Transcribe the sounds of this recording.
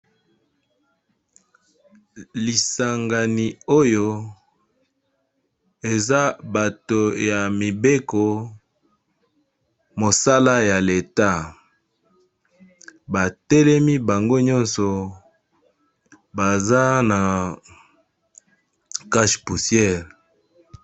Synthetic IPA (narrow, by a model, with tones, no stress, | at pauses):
li˨sa˨ŋɡa˨ni˨o˦jo˦ | e˨za˦ba˨to˨ja˨mi˨be˦ko˨ | mo˨sa˦la˦ja˨le˨ta˦ | ba˨tɛ˦lɛ˦mi˦ba˨ŋɡo˦ɲɔ̃˦nsɔ˨ | ba˨za˦na˨ | ka˦ʃpu˨sjɛ˦˨l